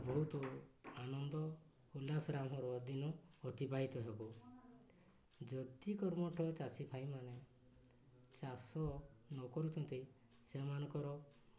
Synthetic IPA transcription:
bɔɦut̪ɔanɔnd̪ɔ | hulasɔɾamɦɔɾɔd̪inɔːt̪ibaɦit̪ɔɦebɔ | d͡ʒɔd̪ikɔɾmɔʈʰɔt͡ʃasipʰaj̃mane | t͡ʃasɔnɔkɔɾut̪ʰɔnt̪ej | semanɔ̃ŋkɔɾɔ

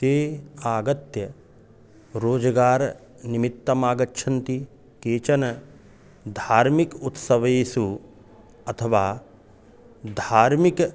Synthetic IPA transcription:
t̪eːaːɡɐt̪jɐ | ɾoːd͡ʒɐɡaːɾ | nimit̪ːɐmaːɡɐtːʃʰɐnt̪i | keːt͡ʃɐnɐ | d̪ʱaːɾmikut̪sɐʋɐjeːsu | ɐt̪ʰɐʋaː | d̪ʱaːɾmik

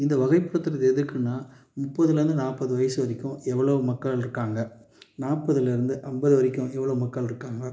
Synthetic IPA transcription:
ɪnd̪ɐʋɐɣɐɪpːɯɽɐt̪ːɯɾɐðɛðɯkːɯnːaː | mʊpːɐðɯlɐɾɯnd̪ɯnaːpːɐðɯʋɐjɐsɯʋɐɾɪkʲːʊ̃ɛʋːɐɭɐʋɯmɐkːɐɭɪɾɯkːaːŋɡɐnaːpːɐðɯlɪɾɯnd̪ɯʔɐmbɐðɯʋɐɾɪkʲːʊ̃ʔɛʋːɐɭɐʋɯmɐkːɐɭɪɾɯkːaːŋɡɐ

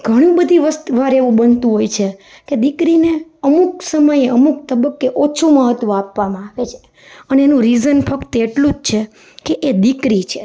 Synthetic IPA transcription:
ɡʱəɽ̃ũbəd̪ʱiʋəst̪ʋaɾeʋũbənt̪ũɦojt͡ʃʰe | ked̪ikɾineəmuksəməjeəmuk̚t̪əbəkːeʔot͡ʃʰuməɦət̪ːʋõapʋamãaʋet͡ʃʰe̥ | əneenũɾizənfəkt̪eʈlũd͡ʒt͡ʃʰe | keʔed̪ikɾit͡ʃʰe

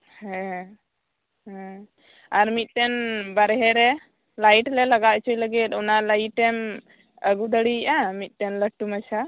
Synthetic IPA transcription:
hɛ̃ | hɛ̃ | aɾmit̪̚ˀtɛnbaɾɛɦɛɾɛ | lajʈlɛlaɡat͡ʃʰujləɡit̪̚ˀɔnaʔlajʈɛm | əɡud̪əɽiʔamit̪̚ˀtɛnləʈːumat͡ʃʰa

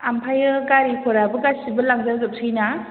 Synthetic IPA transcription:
ampʰajɯɡaɾipʰɔɾabɯɡasibɐlaŋzaɾɡɯp̚sʰɯjna

